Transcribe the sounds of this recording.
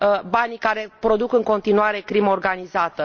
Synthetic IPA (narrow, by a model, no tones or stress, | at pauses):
banʲikaɾe̞pɾo̞d̪ukɨŋko̞nt̪inuaɾe̞kɾiməorɡanizat̪ə